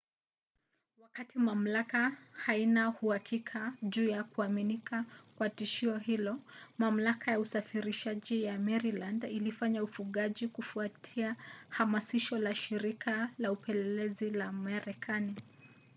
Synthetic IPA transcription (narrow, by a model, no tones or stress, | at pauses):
wakatimam̩lakahainahuhakʰikʰaʄuːjakuaminikʰakwatiʃiɔhilɔmam̩lakʰajausafiɾiʃaʄijamɛɾilandilifaɲaufuɠaʄikufuatʰiahamasiʃɔlaʃiɾikʰalaupʰɛlɛlɛzilamaɾɛkʰani